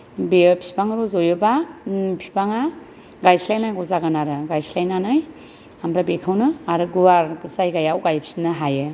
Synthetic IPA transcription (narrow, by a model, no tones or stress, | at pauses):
bepʰi̥paŋɾuzojɯbapʰi̥paŋa | ɡajslajnajɡɔzaɡanaɾɯɡajslajnanaj | amɾabekʰawnɯaɾɯɡuwaɾbɯsajɡajawɡajpʰi̥sinɯɦajɯ